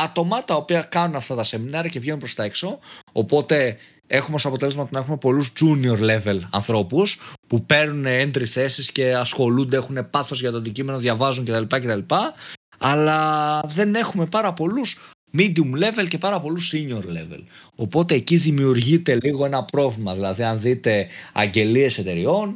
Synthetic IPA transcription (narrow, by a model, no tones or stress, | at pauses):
ɐt̪o̞mɐt̪ɐopiɐkɐnunɐft̪ɐt̪ɐse̞minɐɾiɐce̞vʝe̞nunpɾost̪ɐe̞kso̞opo̞t̪e̞ | e̞xumeosoɐpo̞t̪e̞le̞zmɐot̪nɐe̞xumepo̞luzd͡zunio̞ɾle̞ve̞lɐ̰nθɾo̞puspupe̞ɾnunend̪ɾiθe̞sisce̞ɐsxo̞lund̪e̞exune̞pɐθo̞zʝɐt̪oɐnd̪icime̞no̞ðʝɐvɐzuɲcet̪ɐlipɐce̞t̪ɐlipɐ | ɐlɐðe̞ne̞xume̞pɐɾɐpo̞lus | mid̪iumle̞ve̞lce̞pɐɾɐpo̞lusiɲo̞ɾle̞ve̞̰lo̞po̞t̪e̞ːciðimiuɾʝit̪e̞liɣo̞e̞nɐpɾo̞vlimɐðilɐðiɐnðit̪e̞ɐ̰ɲɟe̞lie̞se̞t̪e̞ɾio̞n